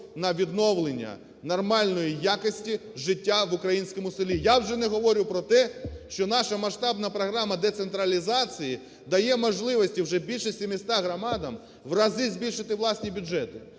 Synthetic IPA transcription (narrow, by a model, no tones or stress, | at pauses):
nɐʋʲid̪nɔwlˠenʲːɐ̰ | nɔrmɑlʲnɔjijakɪsʲtʲiʒɪtʲːaʋʊkɾɐjinʲsʲkɔmʊsɪlʲijawʒɛnɛɦɔʋɔɾʲʊwpɾɔt̪ɛʃt͡ʃɔnɑʃɐmɐʃt̪ɑbnɐpɾɔɦɾɑmɐd̪ɛt̪sent̪ɾɐlʲizɑt͡sʲiji | d̪ɐjɛmɔʒlˠɪʋɔsʲtʲiwʒɛbʲilʲʃɛsʲimɪsʲt̪ɑɦɾɔmɑd̪ɐm | ʋrɐzɪzʲbʲilʲʃɪt̪ɪʋlˠɑsʲnʲibʲʊd͡ʒɛt̪ʊ